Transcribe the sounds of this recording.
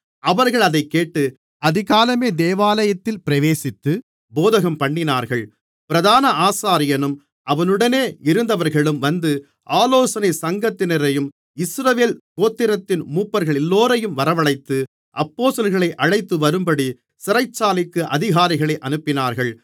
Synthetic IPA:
ɐʋɐɾɣɐɭɐðɐɪkːeːʈːɯ | ɐðɪɣaːlɐmeːd̪eːʋaːlɐjɐt̪ːɪlpɪɾɐʋeːsɪt̪ːɯ | boːðɐɣɐmpɐɳːɪnaːɾɣɐɭ | pɪɾɐðaːnɐaːsaːɾɪjɐnɯm | ɐʋɐnɯɽɐneːɪɾɯnd̪ɐʋɐɾɣɐɭɯmʋɐnd̪ɯ | ʔaːloːsɐnɪsɐŋɡɐt̪ːɪnɐɾɐjɯm | ɪsɾɐʋeːlkoːt̪ːɪɾɐt̪ːɪnmuːpːɐɾɣɐɭɛlːoːɾɐjɯmʋɐɾɐʋɐɭɐɪt̪ːɯ | ʔɐpːoːsɐlɣɐɭɐɪʔɐɻɐɪt̪ːɯʋɐɾɯmbɐɽi | sɪɾɐɪt͡ʃːaːlɪkːɯʔɐðɪɣaːɾɪɣɐɭɐɪʔɐnɯpːɪnaːɾɣɐɭ

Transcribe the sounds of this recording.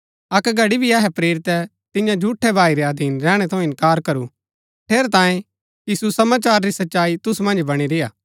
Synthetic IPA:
ɐkɡʱɐɽibʱiɐɦɛpɾeːɾɪt̪ɛ | t̪ɪ̃jãd͡ʒʱuːʈʰːɛbʱaːiɾeɐd̪ʱiːnɾɛ̃ːɽ̃ɛt̪ʰɐ̃ɛ̃ɪ̃nkaːɾkɐɾu | ʈ̪ʰeːɾt̪ãːjẽ | jiːsusɐmaːt͡ʃaːɾɾisɐtːʃaːit̪ʊsumɐ̃nd͡ʒbɐɽ̃iɾeaː

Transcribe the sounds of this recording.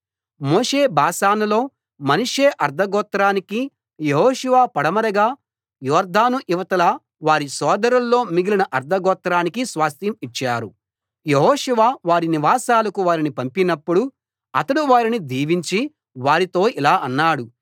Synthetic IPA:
moːʂeːbʱaːʃaːnɐlo̞ː | mɐnuʂeːʔɐɾd̪ʱɐɡɔːt̪ːɾaːniki | jeɦɔːʃuʋaːpɐɽɐmɐɾɐɡaː | jɔːɾd̪ʱaːnuʔiʋɐt̪ɐlɐ | ʋaːɾisɔːd̪ɐɾɐlːo̞ːmiɡilinɐʔɐɾd̪ʱɐɡɔːt̪ːɾaːnikisʋaːst̪jɐmit͡ʃːaːɾu | jeɦɔːʃuʋaːʋaːɾiniʋaːsaːlɐkuʋaːɾinipɐmpinɐpːuɽu | ɐt̪ɐɽuʋaːɾinid̪ʱiːʋiɲt͡ʃi | ʋaːɾit̪o̞ːʔilaːʔɐnːaːɽu

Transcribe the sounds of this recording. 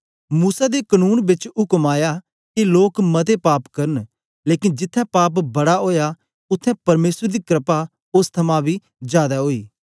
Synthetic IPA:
muːsad̪ekənuːnbɪt͡ʃɦʊkəmaːjaː | kiloːkmɐt̪epaːpkɐɾən | leːkɪnd͡ʒɪt̪ʰːɛ̃paːp̬bɐɽaɦoːja | ʊt̪ʰːɛ̃pɐɾmeːsəɾd̪iːkɾɪpa | ʊst̪ʰɐmãbʱiː | d͡ʒjaːd̪aɦoːiː

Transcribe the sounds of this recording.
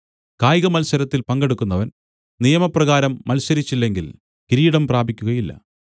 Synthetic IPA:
kaːjɣɐmɐlsɐɾɐt̪ːilpɐŋɡe̞ɽukːunːɐʋɐn | nijɐmɐprɐɣaːɾɐmːɐlsɐɾit͡ɕːilːe̞ŋɡil | kiɾiːiɽɐmpraːbʱikʲːuɣɐjilːɐ̰

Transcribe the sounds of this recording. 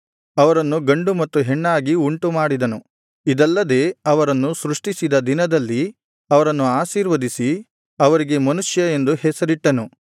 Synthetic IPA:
ɐʋɐɾɐnːuɡɐɳɖumɐt̪ːuɦeɳːaːɡiuɳʈumaːɽid̪ɐnu | id̪ɐlːɐd̪e̞ːɐʋɐɾɐnːusɾuʂʈisid̪ɐd̪inɐd̪ɐlːi | ɐʋɐɾɐnːuaːʃiːɾʋɐd̪isi | ɐʋɐɾiɡe̞mɐnuʂjɐe̞nd̪uhɛsɐɾiʈːɐnu

